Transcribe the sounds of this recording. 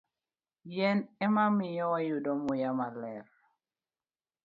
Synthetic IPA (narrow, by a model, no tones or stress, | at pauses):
jɛnɛmamijɔwajudɔmujamalɛɾ